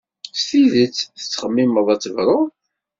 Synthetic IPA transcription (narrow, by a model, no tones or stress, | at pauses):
sθiðət͡sːθə̥t͡sːχəmːiməðˤɑt͡sˤːəvɾˤʊ